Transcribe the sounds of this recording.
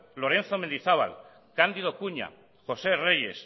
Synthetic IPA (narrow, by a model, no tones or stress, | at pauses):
lo̞ɾẽ̞nθomend̪iθaβa̰l | kand̪iðo̞kuɲa̰ | xo̞se̞re̞je̞s